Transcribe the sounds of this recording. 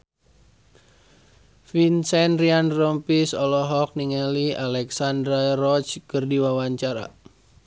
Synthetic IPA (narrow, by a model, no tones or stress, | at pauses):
finsɛnrianrɔmpisɔlɔɦɔk̚niŋɛlialɛksandɾarɔt͡ʃkərdiwawaɲt͡ʃaɾa̰